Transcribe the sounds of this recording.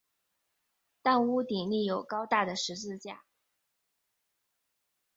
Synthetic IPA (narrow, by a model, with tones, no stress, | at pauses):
t̪a˥˧nu˥t̪i˨˩li˥˩jo˨˩ʊkɑ˥ʊt̪a˥˩d̪ə˩ʂɻ̩˧˥t͡sɹ̩˥˧t͡ɕja̰˥˩